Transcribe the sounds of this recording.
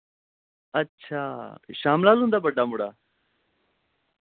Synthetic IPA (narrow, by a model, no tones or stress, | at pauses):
ɐtːɕʰaːɕaːmlaːzũːnd̪aːbɐɖːaːmuɽa̰ː